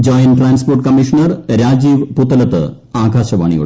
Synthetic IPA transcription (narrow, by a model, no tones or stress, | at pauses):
d͡ʑoːjɐnʈraːnsporʈkɐmiʂɐnɐrɾaːd͡ʑiːʋput̪ːɐlɐt̪ːɨ̰ | aːɡaːɕɐʋa̰ːɳḭjo̰